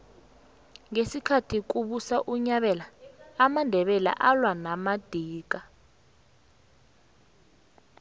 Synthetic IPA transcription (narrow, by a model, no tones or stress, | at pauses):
ŋesikʰatʰik̬uɓusaʔuɲaɓɛlaːmandʱɛɓɛla̰ʔalwanamad̥ʱiːk̬a